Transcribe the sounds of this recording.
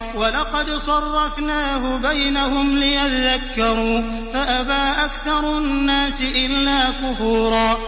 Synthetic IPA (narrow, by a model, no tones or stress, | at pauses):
wɑlɑqɑd̪sˤɑrˤːɑfnaːhʊbajnahʊmlɪjat̪aðakːɑɾˤuː | faʔabaːʔakθɑɾˤʊnːaːsɪʔɪlːaːkʊfuːɾɑː